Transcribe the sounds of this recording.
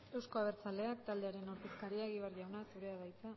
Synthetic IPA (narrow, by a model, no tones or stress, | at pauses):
e̞wsko̞aβ̞e̞ɾt͡sale̞akt̪ald̪e̞aɾe̞noɾt̪eskaɾiaɣiβerʝawnasuɾe̞aβajt͡sa